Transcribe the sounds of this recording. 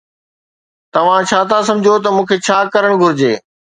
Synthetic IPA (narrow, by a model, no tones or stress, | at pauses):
t̪ɐʋ̤ãt͡ɕʰaːt̪ʰas̬ɐ̃md͡ʑʱot̪̬ɐmũːkʰeːt͡ɕʰaːkɐɾəɽ̃ɡʱʊɾɪd͡ʑeː